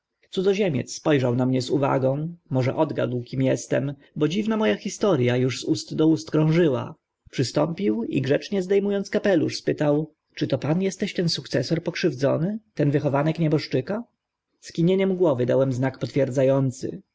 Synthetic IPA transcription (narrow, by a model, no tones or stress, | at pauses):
t̪sud̪ɔʑɛmʲjɛ̰t̪sspɔjʐawnamɲɛzuva̰ɡɔ̃w̃mɔʐɛʔɔd̪ɡa̰d̪wkʲimjɛst̪ɛm | bɔd͡ʑivnamɔjaxʲist̪ɔɾjajuʐzust̪d̪ɔust̪kɾɔ̃w̃ʐɘwa̰ | pʂɘst̪ɔmpʲiwḭɡʐɛt͡ʂɲɛzd̪ɛjmujɔnt̪skapɛlṵʂspɘt̪aw | t͡ʂɘt̪ɔpanjɛst̪ɛɕt̪ɛnsukt̪sɛsɔɾpɔkʂɘvd̪zɔ̰nɘt̪ɛnvɘxɔvanɛkɲɛbɔʂt͡ʂɘka | skʲiɲeɲɛmɡwɔvɘd̪awɛmznakpɔt̪fʲjɛɾd̪zajɔnt̪sɘ̰